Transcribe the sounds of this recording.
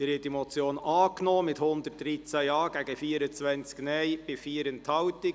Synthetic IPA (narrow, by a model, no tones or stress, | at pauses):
ɪɾhɪtd̥imɔt͡sjoːnɑːknɔːmɪthʊnd̪ət̚d̥ɾit͡sæjɑːɡ̥æɡəfiːəɾət͡sʋɛnt͡sknɛjb̥ɪfiːəɾənthɑwtɪɡ